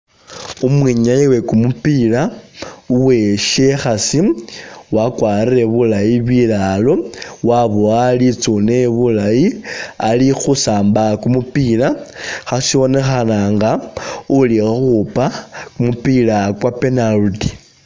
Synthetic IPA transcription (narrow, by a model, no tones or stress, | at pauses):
umwiɲajiwe̞kumupilauwe̞ʃe̞xasiwakwaːrire̞βulajiβilalo̞waβoalit͡suneβulajialixusaːmbakumupilaxasiβo̞ne̞xanaŋɡauliaxupakumupilakwape̞naludi